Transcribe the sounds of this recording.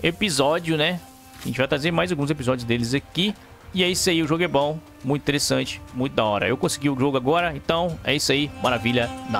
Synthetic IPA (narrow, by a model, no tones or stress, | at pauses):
epizɔd͡ʒjʊnɛ | ʒẽt͡ʃɪvajt̪ɾazeɾmajzawɡũzepizɔd͡ʒjʊzd̪elɪzaki | ɪɛisʊaiʊʒoɡʊɛbõw̃ | mũt̪ĩt̪eɾesɐ̃t͡ʃɪ̥mũj̃t̪̬ʊd̪aɔɾɐ̰ewkõsiɡiʊʒoɡʊaɡɔɾɐẽt̪ɐ̃w̃ɛ̰isʊaimaɾaviʎɐna